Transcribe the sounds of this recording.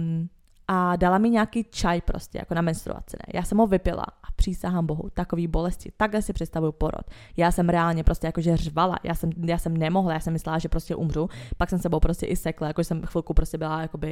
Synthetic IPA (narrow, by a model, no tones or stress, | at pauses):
ʔadalamɪɲaːkiːt͡ʃajpɾo̰scɛ̰ja̰konamɛnst̪ɾṵva̰t͡sɪ̰nɛ̰jʔaːsɛmɦovɪpɪla̰ʔapr̝̥iːsaɦaːmbo̞ɦṵt̪akoviːbo̞lɛscɪt̪aɡlɛsɪpr̥ɛt̪st̪avujupo̞ɾo̰t̪jaːsɛmɾɛaːlɲɛpɾoscɛjakoʒɛrvala̰jʔa̰ːsɛmjaːsɛmnɛmoɦlajaːsɛmːɪslɛlaʒɛpɾoscɛʔumr̝upaksɛmstɛbowpɾoscɛʔɪsɛklajakoʒɛsɛmxfɪlˠkupɾoscɛbɪlajako̞bɪ